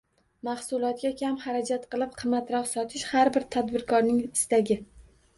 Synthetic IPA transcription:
mahsʊlˠɒt̪̚ɡʲakʲʰamhaɾad͡ʒat̪qɨlˠɪp̚qʰɨmːat̪ɾɒqsɒt̪ʰɪʃhaɾbɪɾt̪ʰad̪bɪɾkʰɒɾnɪŋɪst̪aɡʲɪ

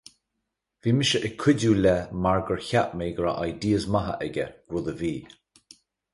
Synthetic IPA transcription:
viːmɪʃəʔɛkʰwʊduːlɛmaɹɡəɹçaʔmeːɡəɹa̰ʔajdiːəzmaɦə̰ʔɛɡə̰ɡ̥wʊðəviː

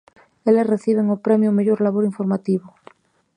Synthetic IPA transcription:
elesreθiβ̞eŋopɾemjomeʝoɾlaβ̞oɾiɱfoɾmat̪iβo

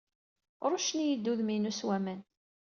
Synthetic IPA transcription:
ɾˤʊʃnijəd̪ːuðminuswæmæn

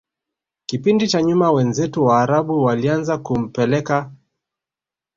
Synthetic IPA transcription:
kipindit͡ʃaɲumawɛnzɛtuwaːɾaɓuwalianzakum̩pɛlɛka

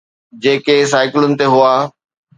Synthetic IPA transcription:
d͡ʑeːkes̬aːɪkɪlʊnɪ̆t̪eɦuaː

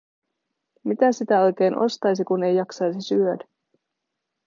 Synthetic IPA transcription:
mit̪æsit̪æo̞jk̟e̞ːnʔo̞̰st̪ɑjs̬ikune̞jːɑksɑjsisyødæ

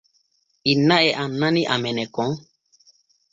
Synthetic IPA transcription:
inãɛʔanãniʔamɛnɛkɔ̃ŋ

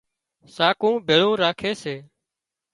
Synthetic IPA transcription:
saːkũːbʱeːɭõːɾaːkʰeːseː

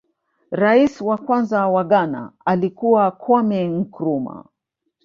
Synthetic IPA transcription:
ɾaiswakwanzawaɠana̰alikuwakʰɔmɛŋ̩kɾuma̰

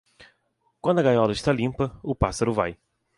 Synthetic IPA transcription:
kwɐ̃nd̪ʊɐɡajɔlɐɪʃt̪alĩmpɐʊpasɐɾʊvaj

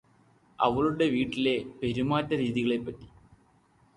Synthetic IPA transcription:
ɐ̰ʋɐɭuɽe̞ʋiːʈːile̞pe̞ɾumaːtːɐɾiːðiɣɐɭe̞pːɐʈːi̥

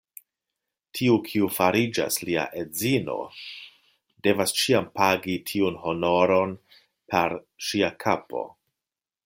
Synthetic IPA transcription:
tʰiukʰiufaɾid͡ʒa̰slia̰ʔed͡zino̞̰ | de̞vast͡ʃiampaɡitʰiunho̞no̞ɾo̞n | pʰeɾ | ʃiakʰapo̞̰

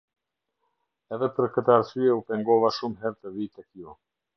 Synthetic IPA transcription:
ɛðɛpəɾkət̪əaaɾsyɛupɛŋɡɔvaʃumɦɛɾt̪əðit̪ɛkjɔ

